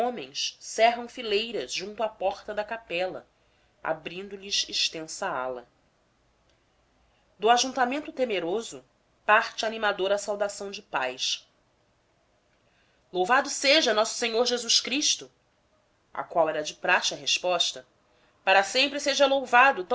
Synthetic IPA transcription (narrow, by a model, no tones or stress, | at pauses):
õmẽj̃ssɛɦɐ̃w̃filejɾɐzʒũnt̪ʊapɔχt̪ɐd̪ɐkapɛlɐ̰ | a̰bɾĩnd̪ʊliʃiʃt̪ẽsɐa̰lɐ | d̪ʊaʒũnt̪amẽnt̪ʊt̪emeɾozʊ | paɾt͡ʃɪanimad̪oɾasawd̪asɐ̃w̃d͡ʒɪpajʃ | lowvad̪ʊseʒɐnɔsʊ̥seɲoɾʒezuʃkɾiʃt̪ʊ | a̰kwawɛɾɐd͡ʒɪpɾat͡ʃɪɐɦeʃpɔʃt̪ɐ | paɾɐsẽmpɾɪseʒɐlowvad̪ʊt̪ɐ̃